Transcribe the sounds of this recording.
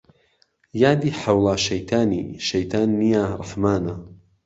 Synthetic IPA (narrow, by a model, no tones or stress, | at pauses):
jaːd̪iːħawlˠaːʃɐjt̪ʰaːnḭʃɐjt̪ʰaːnːijaːɾˤɑ̰ħmaːna